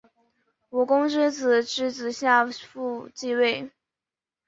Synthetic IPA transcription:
wɔ˨˩kʊ˥ŋʈ͡ʂɻ̩˥t͡sɹ̩˨˩ʈ͡ʂɻ̩˥t͡sɹ̩˨˩ɕja˥˧fu˥˧t͡ɕi˥˧we˥˩ɪ

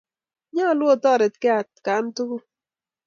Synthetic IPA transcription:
ɲa˦˨lwo˦˨tɔ˦˨ɾɪ˨tkɪ˦a˨tka˨˦ntʊ˦ɡʊ˦

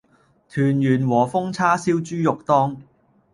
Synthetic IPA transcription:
t̪ʰyː˨˩njyː˨˩nwɔː˨˩fʊ˥ŋt͡sʰaː˥siː˥wt͡ʃyː˥jʊ˨k̚t̪ɔː˥ŋ

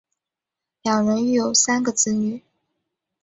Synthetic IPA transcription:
ljɑ˨˩ŋɻə˧˥ny˥˩jo˨˩ʊsa˥nɡə˨t͡sɹ̩˥ny˨˩˦

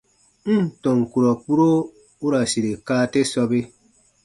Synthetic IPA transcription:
m̩˦˨tɔ̃˨ŋku˨ɾɔ˨k͡pu˦ɾo˦ | u˦ɾa˨si˨ɾe˨kaː˦te˦sɔ˧be˦

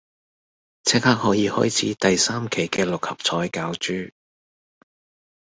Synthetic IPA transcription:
t͡sʰɛː˥k̚haː˥k̚hɔː˨˥jiː˨˧hɔ̰ː˥jt͡sʰiː˨˥t̪ɐ˨jsaː˥mkʰe˨˩jkɛː˧lʊ˨k̚hɐ˨p̚t͡sʰɔː˨˥jkaː˨˥wt͡ʃyː˥

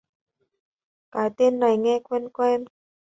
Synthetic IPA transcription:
kaː˨˩˦t̪e˧˥nːa˨˩jŋɛː˦˧˥kʰwe˧˥nkwɛː˦˧˥m

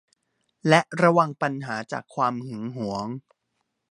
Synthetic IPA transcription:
lɛ˦˥ʔɾa˧wa˧ŋpa˧nɦaː˩˦t͡ɕa̰ː˨˩kʰːwaː˧mhɯ˩˦ŋɦu˩˦əŋ

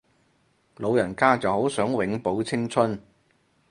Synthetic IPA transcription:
lo˨˧wjɐ˨˩nkaː˥t͡sɐ˨who˨˥wsœː˨˥ŋwɪ˨˧˥ŋpo˨˥wt͡sʰɪ˥ŋt͡sʰɵ˥n

